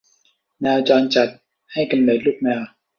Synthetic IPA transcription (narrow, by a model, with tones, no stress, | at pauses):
nɛː˧wt͡ɕɔː˧nt͡ɕa˨˩t̪̚ | ha˥˩jka˧nlɤː˨˩t̪̚luː˥˩k̚nɛː˧w